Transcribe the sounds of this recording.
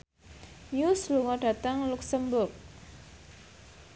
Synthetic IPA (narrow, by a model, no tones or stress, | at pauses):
jusluŋɔɖ̥ä̤t̪əŋluksəmbʊrk̚